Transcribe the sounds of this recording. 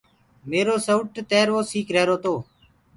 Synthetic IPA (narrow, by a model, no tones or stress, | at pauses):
meːɾoːsəʊʈt̪eːɾʋoːsiːkɾɛːɾoːt̪oː